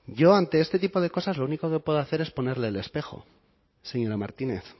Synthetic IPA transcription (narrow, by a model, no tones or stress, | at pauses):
ɟ͡ʝo̞ant̪e̞est̪e̞t̪ipo̞ð̞e̞ko̞sazlo̞uniko̞ke̞pwe̞ðoaθe̞ɾe̞spo̞ne̞ɾle̞ːle̞spe̞xo̰ | se̞ɲoɾamaɾt̪ine̞̰θ